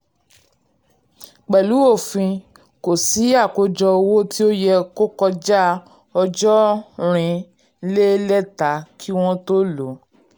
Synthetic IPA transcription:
k͡pɛ˨lu˨˦o˦˨fĩ˧ | ko˨si˨˦a˦˨ko˨˦d͡ʒɔ˧o˧wo˦ti˦o˦jɛ˧ko˦kɔ˧d͡ʒa˦ | ɔ˧d͡ʒɔ˦ɾ̃ĩ˧ | le˦lɛ˦ta˨˦kʰi˦w̃ɔ̃˦to˦lo˨˦

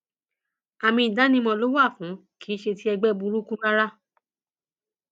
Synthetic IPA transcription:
a˨mĩ˧i˨da˨˦nĩ˧mɔ̃˧lo˦wa˦˨fũ˨˦ki˦ʃe˧ti˦ɛ˧ɡ͡bɛ˦bu˧ɾu˦kũ˦ɾa˦ɾa˦

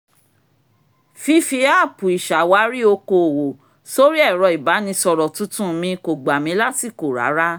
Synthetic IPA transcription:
fi˧fi˧a˦˨pu˨i˨ʃa˨wa˨˦ɾi˦o˧ko˨wo˨ | so˦ɾi˦ɛ˦˨ɾɔ˧i˨ba˨˦nĩ˧sɔ˧ɾɔ˨tũ˦tũ˦˧mĩ˧ko˨ɡ͡ba˨mĩ˧˦la˦ti˦˨ko˨ɾa̰˨˦ɾa˦

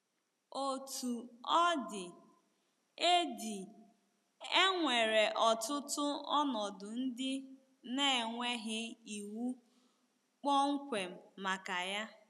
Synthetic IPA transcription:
o˨tu˨ɔ˦dɪ˨ | e˦di˨ | e˦ŋʷe˨ɾe˨ʔɔ˨tʊ˦tʊ˦ɔ˦nɔ˨dʊ˨n̩˦dɪ˦ | ne˦˨ŋʷe˦ɦɪ˦i˨wu˦ | k͡pɔ˦ŋ̩˦kʷe˨m̩˨ma˨ka˨ja˦

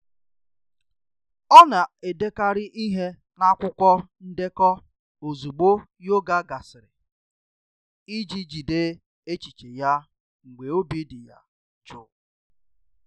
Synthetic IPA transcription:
ɔ˦na˨e˨de˦ka˦ɾɪ˦ʔi˦ɦe˦ | na˦kʷʊ˦kʷɔ˦n̩˦de˦kɔ˦ | o˨zu˨ɡ͡bo˦ | jo˦ɡa˦ɡa˨sɪ˨ɾɪ̰˨ | i˦d͡ʒi˦d͡ʒi˨de˦ | e˦t͡ʃi˨t͡ʃe˨ja˦ | ŋ̩˨ɡ͡be˨o˦bi˦dɪ˨ja̰˦ | t͡ʃʊ˨

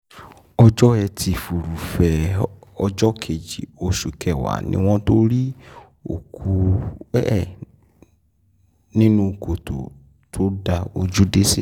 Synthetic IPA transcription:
ɔ˧d͡ʒɔ˦ɛ˧tʰi˧fu˨ɾu˨fɛ˨ɔ˧d͡ʒɔ˦kʰe˨d͡ʒi˨o˧ʃu˨kʰɛ˦˨wa̰˨nḭ̃˦w̃ɔ̃˦to˦ɾi˦ | o̰˨kʰu˧˦˨ | nĩ˦nũ˦ko˨to̰˨ | tʰo˦da˧o˧d͡ʒu˦de˦se˦

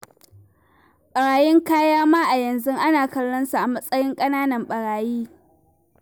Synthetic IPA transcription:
ɓɐ˨ɽaː˨jɪ˦ŋkaː˦jaː˦maː˦ʔa˨jɐ˨nzʊ˦ŋʔa˦naː˨kɐ˦lːɐ˦nsu˨ʔa˨mɐ˦sʼɐ˦jɪ˦ŋkʼɐ˦naː˦nɐ˨mɓɐ˨ɽaː˨jiː˦

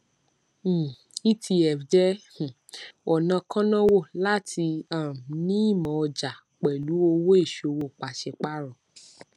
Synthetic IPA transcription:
i˦ti˧ɛ˨fd͡ʒɛ̃˦˨ | ɔ˨nã˧kã˦nã˦wo˦˨la˦tʰi˧ã˨ɾnĩ˦i˦˨mɔ̃˨ɔ˧d͡ʒa˨ | k͡pɛ˨lu˨˦o˧wo˦e˦˨ʃo˧wo˦˨k͡pa˨ʃɛ˧k͡pa˦ɾɔ̃˨

